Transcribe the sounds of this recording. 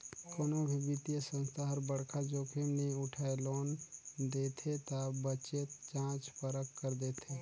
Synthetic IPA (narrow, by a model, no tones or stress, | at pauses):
koːnobʱibɪt̪ijəsə̃nst̪ʰaɦəɾbəɽkʰad͡ʒoːkʰemneʊʈʰaeloːnd̪eːt̪ʰet̪abət͡ʃet͡ʃãːt͡ʃpəɾəkːəɾd̪eːt̪ʰeː